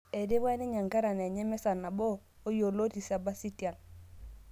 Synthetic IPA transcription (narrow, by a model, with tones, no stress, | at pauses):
e˨de˦bɛ˦ni˦ɲa˨ŋka˦ɾa˨nɛ˨ɲɛ˦mɛ˦sa˨na˨bo˦o˦jo˨lo˦ti˨sa˦ba˦si˦ti˨a˨n